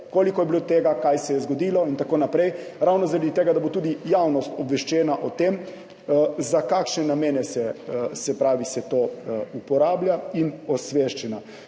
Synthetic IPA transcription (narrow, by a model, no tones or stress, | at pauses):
koːlikɔjɛbilot̪eːɡakajsɛjɛzɡɔd̪iːlɔint̪akoːnapɾɛjɾawnɔzaɾad̪it̪eːɡad̪abot̪uːd̪ijawnɔst̪ɔbʋɛʃt͡ʃɛːnaʔɔt̪em | zakaːkʃnɛnameːnɛsɛsɛpɾaːʋisɛt̪oːupɔɾaːbljainɔsʋeʃt͡ʃɛna